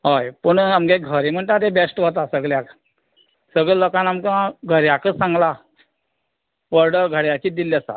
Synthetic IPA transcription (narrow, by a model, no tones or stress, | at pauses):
ɦojpəɳamkeɡʱəɾem̤əɳʈ̪at̪ebesʈɦot̪asəɡɭjak | səɡɭelokanamkəãɡʱəɾjakəsãŋɡla | ʋəɾɖəɾɡʱəɽjat͡ɕiːd̪ilːjasa̰